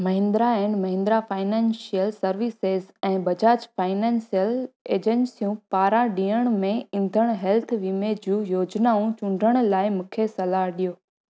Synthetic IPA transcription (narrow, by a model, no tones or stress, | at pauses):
mɐɦɪ̃nd̪ɾaɛ̃ɳɖmɐɦɪ̃nd̪ɾafaːɪnɛ̃ːnsijəlsɐɾʋisezɛ̃ːbɐd͡ʑaːd͡ʑfaːɪnɛ̃ːnsijəleːd͡ʑənsijũpaːɾãɗiːəɽ̃mẽɪ̃n̆d̪ʱəɽ̃ɦɛlt̪ʰʋimed͡ʑũːjoːd͡ʑnaːũt͡ɕʊ̃ɳɖʱəɽ̃laːɪmũːkʰesɐlaɦɗijoː